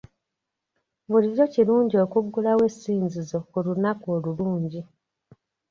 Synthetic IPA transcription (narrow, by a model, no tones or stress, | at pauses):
βulizociluːɲɟio̞kuɡːulawe̞siːnzizo̞olunakoːluluːɲɟi